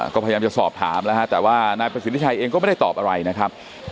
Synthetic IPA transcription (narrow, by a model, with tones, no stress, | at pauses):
kɔː˥˩a˧jjaː˧mt͡ɕa˨˩sɔː˨˩p̚t̪ʰa̰ː˩˦mna˦˥kʰa˦˥t̪ɛː˨˩waː˥˩naː˧jpɾa˧si˨˦i˥t͡ɕʰa˧jʔeː˧ŋkɔː˥˩m˥˩da˥˩t̪ɔː˨˩p̚ʔa˧ɾa˧jna˦˥kʰɾa˦˥p̚